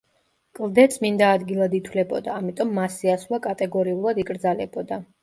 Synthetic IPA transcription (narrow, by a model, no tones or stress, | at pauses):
kʼlˠd̪ɛt̪sʰmind̪aːd̪ɡilˠad̪it̪ʰwlɛbɔ̰d̪aːmit̪ʼɔmːasiasvakʼat̪ʼɛɡɔɾiulˠad̪ikʼɾd̪zalɛbɔd̪a